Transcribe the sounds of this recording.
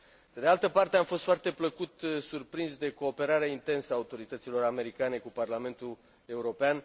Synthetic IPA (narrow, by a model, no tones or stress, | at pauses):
pe̞d̪ealt̪əpart̪eamfo̞st̪foart̪e̞pləkut̪surpɾinzd̪e̞ko̞ːpe̞ɾaɾeaint̪e̞nsəaːut̪o̞ɾit̪ət̪silo̞ɾame̞ɾikane̞kuparlame̞nt̪ul | e̞uɾo̞pean